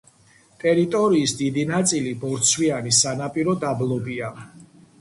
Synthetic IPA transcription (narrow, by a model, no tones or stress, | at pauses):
t̪ʼɛɾit̪ʼɔɾiːsd̪id̪inat̪sʼilibɔɾt̪sʰwianisanapʼiɾɔd̪ablˠɔbia